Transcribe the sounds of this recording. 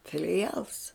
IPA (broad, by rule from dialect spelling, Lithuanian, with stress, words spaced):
fʲɪlʲɪˈjɛlˠs